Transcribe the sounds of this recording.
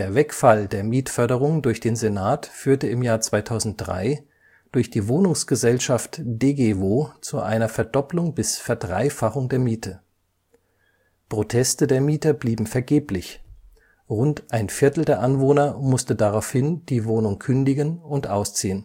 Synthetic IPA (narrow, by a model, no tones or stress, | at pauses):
d̥eːɐvɛkfaldeːɐmiːtfœɐɾəʁ̞ʊŋəndʊɐçd̥eːnzenaːtfyːɐtəɪmjaːɐt͡sv̥aɪtʰaʊzn̩t̚d̥ʁa̰ɪ | d̥ʊɐçd̥iːvoːnʊŋsɡ̥əzɛlʃaftd̥eːɡeːvoːt͡suʔa̰ɪnɐfɛɐdɔplʊŋbɪsfɛɐdʁa̰ɪfaχʊŋdeːɐmiːtʰə | pʁ̥otʰɛstədeːɐmiːtɐbliːbm̩fɛɐɡeːplɪç | ʁʊntʔaɪnfɪɐtl̩deːɐʔanvoːnɐmʊstədaʁaʊfhɪnd̥iːvoːnʊŋkʰʏndɪɡənʊntʔa̰ʊst͡siːən